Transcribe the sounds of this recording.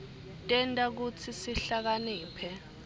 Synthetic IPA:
tʼɛntʼak̬ut͡sʰisiɬak̬aniːpʰɛ

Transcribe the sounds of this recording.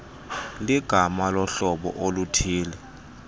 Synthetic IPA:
liɡ̥ʱamalɔɬɔɓɔ̰ʔolutʰiːlɛ

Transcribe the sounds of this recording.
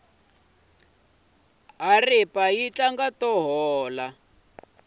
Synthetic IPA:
ɦaripajit͡ɬaŋɡatɔɦɔːla

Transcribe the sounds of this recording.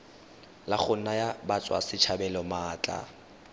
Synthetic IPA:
laχʊnajabat͡sʼwa̰sɪt͡ʃʰabɛlɔmaːt͡ɬʼa̰

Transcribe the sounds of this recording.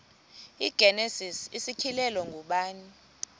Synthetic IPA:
iɡ̥ʱɛnɛsisisikʰilɛlɔŋɡʱuɓaːni

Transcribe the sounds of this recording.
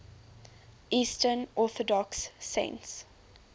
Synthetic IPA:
ʔiːstənɔθɔdɔksːḛ̃nts

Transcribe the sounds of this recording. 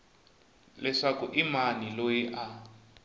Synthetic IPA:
lɛʂakuʔimanilojiʔa

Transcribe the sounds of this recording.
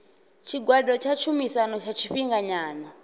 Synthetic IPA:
t͡ʃʰiɡwadɔt͡ʃʰat͡ʃʰumisanɔt͡ʃʰat͡ʃʰiɸiŋɡaɲaːna

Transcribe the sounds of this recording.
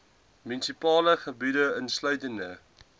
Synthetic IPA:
mynsipɑːləχəbidəənslœɥtəndə

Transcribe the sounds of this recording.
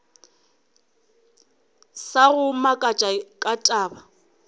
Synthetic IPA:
saɣʊmakʼat͡ʃʼakʼatʼaːba

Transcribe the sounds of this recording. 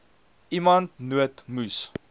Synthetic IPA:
ʔimɐntnuətmus

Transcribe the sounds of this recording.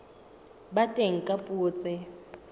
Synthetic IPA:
batʼeŋ̩kʼapʼʊːt͡sʼɪ

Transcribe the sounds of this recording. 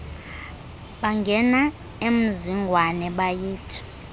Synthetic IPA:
ɓaŋɡʱɛna | em̩ziŋɡʱwanɛɓajiːtʰi̥

